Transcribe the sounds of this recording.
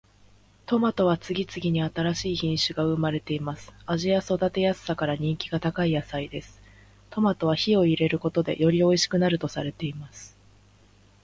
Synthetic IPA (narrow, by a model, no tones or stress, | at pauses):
t̪o̞mat̪o̞β̞at͡sɨɡʲit͡sɨɡʲiɲ̟iat̪aɾaɕiːçĩɰ̃ɕɨɡaɯ̟maɾe̞t̪e̞imasɨ̥aʑiaso̞d̪at̪e̞jasɨ̥ːakaɾaɲ̟ĩŋkʲiɡat̪akaijasaid̪e̞sɨ̥ | t̪o̞mat̪o̞βaçio̞iɾe̞ɾɯ̟ko̞t̪o̞d̪e̞̰jʔo̞ɾʲio̞iɕi̥kɯ̟naɾɯ̟t̪o̞saɾe̞t̪e̞imasɨ̥